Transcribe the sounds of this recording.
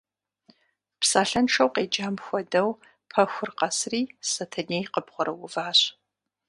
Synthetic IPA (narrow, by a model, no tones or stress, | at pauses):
psaːɬɐnʂɐwqeːd͡ʒaːmxʷɔdɐw | pʰɐxʷʊrqɐsriːsɐtʰɐneːjqəpχʷɔɾɐwʊvaːɕ